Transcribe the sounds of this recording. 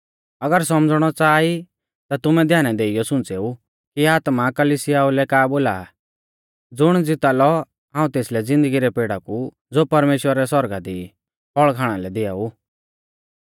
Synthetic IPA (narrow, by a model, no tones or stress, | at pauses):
ɐɡəɾsɔmd͡zɽ̃ɔt͡saːi | t̪at̪ʊmɛ̃d̪ʱjaːnɛd̪eːɪjɔsʊ̃nt͡seːu | kiaːt̪makɐlisɪjaulɛkaːboːlaː | d͡zʊɽ̃d͡zɪt̪alɔ | ɦãːũt̪eːslɛd͡zɪ̃nd̪əɡiɾɛpeːɽaku | d͡zoːpɐɾmeːʃwəɾɛsɔɾɡad̪i | pʰɔɭkʰaːɽ̃alɛd̪ɪa̰u